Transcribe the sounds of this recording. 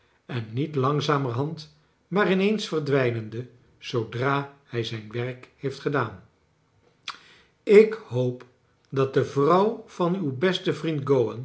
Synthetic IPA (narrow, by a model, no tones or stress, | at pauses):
ɛnːitlɑŋzaːmərɦɑnt | maːrɪnejnsfərdʋɛjnəndə | z̥owdraːhɛjzɛjnʋɛrkhejftχədaːn | ɪkɦowp | dɑt̚dəvrʌwv̥ɑnywbɛstəvrintɡowən